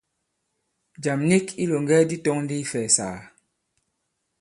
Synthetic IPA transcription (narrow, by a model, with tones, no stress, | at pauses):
d͡ʒa˨mni˦ki˦lo˨ŋɡɛ˦di˦tɔ˦ŋn˦di˦fɛː˨sa̰ː˨